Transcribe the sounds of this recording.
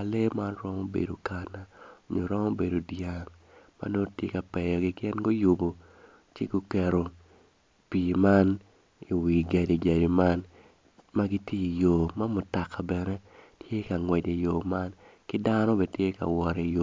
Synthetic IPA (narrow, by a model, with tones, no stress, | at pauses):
a˨le˦ma˦nɾɔ˦mo˦bḛ˨do˨ka˨na˨o˨ɲo˨ɾɔ˦mo˦be˨do˨dja˨ŋma̰˦no˦tje˦ka˨pɛ˨jɔ˨ɡɪ˦ɡɪ˦nɡo˦ju˨bo˨ | t͡ʃe˦ɡo˦kɛ˨ɾo˨ | pi˨ma˦n | i˨wi˨ɡa˨di˨d͡ʒa˨di˨ma˦n | ma˦ɡi˦tje˦i˨jo˨ma˦mʊ˨ta˨ka˨bɛ˨nɛ˦tje˦ka˨ŋwɛ˨de˨jo˨ma˦nkɪ˦da˦nɔ˦be˨tje˦ka̰˨wɔ˨ɾɛ˨jo˨